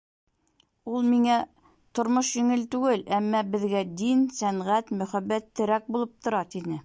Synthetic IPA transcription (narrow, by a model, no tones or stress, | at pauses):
ulˠmiŋæ | t̪ŏɾmoʃjɘ̆ŋɘlt̪ʉɡɘlæmːæbɘ̆ðɡæd̪insæɴʁæt̪mɵ̆χæbːæt̪ʰːɘ̆ɾæk̚bulˠɤp̚t̪ʰŏɾɑt̪inɘ